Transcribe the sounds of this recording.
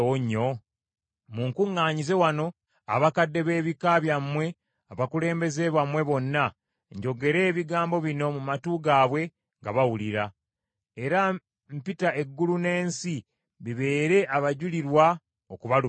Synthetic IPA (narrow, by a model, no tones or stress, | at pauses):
oɲːo | muŋkuŋːaːɲize̞wano̞ | a̰βakadːe̞βe̞ːβikaβjamwe̞ | aβakule̞ːmbe̞ze̞βamwe̞βo̞nːa | ɲɟo̞ɡe̞ɾe̞ːβiɡaːmbo̞βino̞mumatuːɡaːβwe̞ | ŋɡaβawuliɾa | e̞ɾa | mpitae̞ɡːulune̞ːnsi | βiβe̞ːɾe̞ʔaβaɟuliɾwa | okuβalu